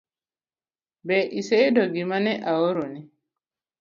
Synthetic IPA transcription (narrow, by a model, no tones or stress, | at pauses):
bɛʔiseidɔɡimanɛʔawoɾoni